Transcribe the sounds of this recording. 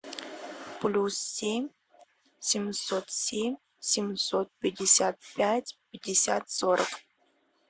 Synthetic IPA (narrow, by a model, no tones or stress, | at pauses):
plʲusːʲemʲ | sʲemʲsot̪sʲemʲ | sʲemʲsot̪̚pʲedʲesʲat̪̚pʲætʲpʲɪdʲesʲat̪soɾəq